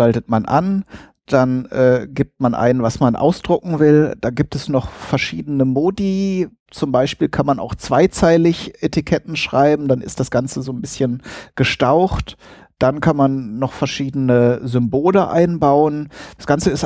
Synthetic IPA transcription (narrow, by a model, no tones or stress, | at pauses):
altətmanʔa̰n | d̥anʔɛːɡiːp̚t̚manʔa̰ɪnənvasmanʔa̰ʊsd̥ʁʊkŋ̩vɪld̥aɡiːp̚tʰɛsnɔχfɛɐʃiːdənəmoːdi | t͡sʊmbaɪʃpiːlkʰanmanʔa̰ʊxt͡sv̥aɪt͡saɪlɪçʔetʰikʰɛtn̩ʃʁ̥aɪbm̩danɪ̰st̚d̥asɡ̥ant͡səzoːnbɪsçənɡ̥əʃtaʊxt | d̥ankʰanmanːɔχfɛɐʃiːdənəzʏmboːləʔa̰ɪnbaʊənd̥asɡ̥ant͡səɪs